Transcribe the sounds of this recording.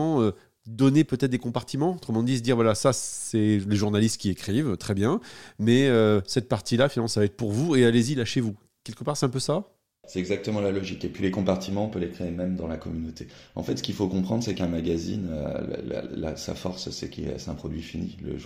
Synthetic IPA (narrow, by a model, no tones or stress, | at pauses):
ɑ̃ø | d̪ɔnepøt̪ɛt̪χ̚d̪ekɔ̃paʁt̪imɑ̃ot̪χəmɑ̃d̪is̬d̪iʁvwalasasɛleʒuʁnalist̪̚kʲiekχivt̪χɛbjɛ̃mɛøsɛt̪̚paʁt̪ilafinalmɑ̃savaɛt̪χpuʁvuealezilaʃevu | kʲɛlkəpaːʁsɛt̪ɛ̃pøsa | sɛt̪ɛɡzak̚t̪əmɑ̃lalɔʒikepɥilekɔ̃paʁt̪imɑ̃pølekχeemɛmd̪ɑ̃lakɔmynot̪ʰeɑ̰̃fɛt̪sə̥kʲilfokɔ̃pχɑ̃d̪ʁsɛkɛ̃maɡazḭnø̰l̰la̰la̰sa̰fɔʁssɛ̰kḭsɛt̪ɛ̃pχɔd̪ɥifinḭlə̰